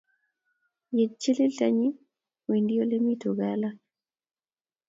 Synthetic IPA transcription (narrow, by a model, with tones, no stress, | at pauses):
je˨d̚t͡ʃi˦li˦lta˦ɲi˦ | we˨ndi˦o˦le˦mi˦to˨ɡala˦